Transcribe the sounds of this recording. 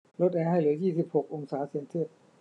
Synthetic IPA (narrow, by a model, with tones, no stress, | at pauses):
lo˦˥t̪̚ʔɛː˧ɦa˥˩jlɯ˩˦jiː˥˩si˨˩p̚ho˨˩k̚ʔo˧ŋsaː˩˦˥seː˧nsi˥˩ət̪̚